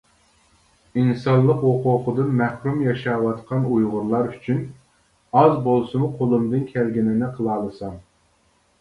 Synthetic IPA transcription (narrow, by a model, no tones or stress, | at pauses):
insɑnlˠəqwoqoqʰəd̪ɨnmɛhɾumjɑʃɑːwɑt̪qʰɑnujʁʊɾlˠɑɾyt͡ʃʰyn | ɑzbolˠsɨmʊqʰolˠɨmd̪ɨnkʲʰɛlɡʲinɪnɪqʰəlˠɑːlˠɨsɑm